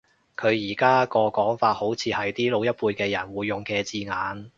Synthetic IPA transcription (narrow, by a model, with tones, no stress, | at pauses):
kʰɵ˨˧ɥjiː˨˩kaː˥kɔː˧kɔː˨˥ŋfaː˧t̚ho˨˥wt͡sʰiː˨˧hɐ˨jt̪iː˥lo˨˧wjɐ˥t̚puː˧jkɛː˧jɐ˨˩nwuː˨˧jːʊ˨ŋkɛː˧t͡siː˧ŋaː˨˧n